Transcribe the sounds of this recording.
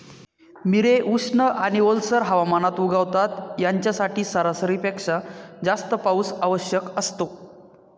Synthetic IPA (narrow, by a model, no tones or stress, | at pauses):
miɾeʔuʂɳəʔaɽ̃iolsəɾɦaʋamanat̪uɡaʋt̪at̪jaɲt͡ɕjasaʈʰiːsəɾasɾiːpekʂad͡zast̪əpausaʋəɕjəkəst̪o